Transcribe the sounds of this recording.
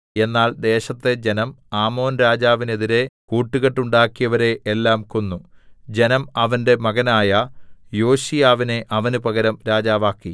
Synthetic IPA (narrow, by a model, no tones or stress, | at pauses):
e̞nːaːɭd̪e̞ːɕɐt̪ːe̞d͡ʑe̞nɐmaːmo̞ːnɾaːd͡ʑaːʋine̞ðiɾe̞kuːʈːuɣɐʈːuɳɖaːkːijɐʋɐɾe̞ʔːlːaːmko̞nːud͡ʑe̞nɐmɐʋɐnde̞mɐɣɐnaːjɐjo̞ːɕijaːʋine̞ʔɐʋɐnupɐɣɐɾɐmɾaːd͡ʑaːʋaːkːi